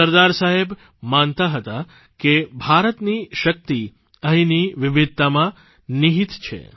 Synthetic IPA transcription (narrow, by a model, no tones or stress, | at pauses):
əɾd̪aɾsaɦeb | mant̪aɦət̪a | kebʱaɾət̪niʃək̚t̪i | ə̃ɦĩniʋɪʋɪd̪̚t̪amã | niɦit̪t͡ʃʰḛ